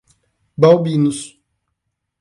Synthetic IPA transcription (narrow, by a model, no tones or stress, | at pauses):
bawbinus